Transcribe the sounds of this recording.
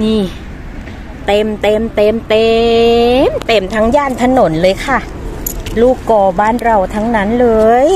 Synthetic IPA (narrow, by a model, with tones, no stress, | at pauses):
niː˧˩ | t̪e˧mt̪e˧mt̪e˧mt̪e˧ | mt̪e˧˩mt̪ʰa˦˥ŋjaː˥˩nt̪ʰa˧no˩˦nlɤː˧jkʰa˥˩ | luː˥˩kːɔː˧˩baː˥˩nɾa˧˩wt̪ʰa˦˥ŋna˦˥nlɤː˧j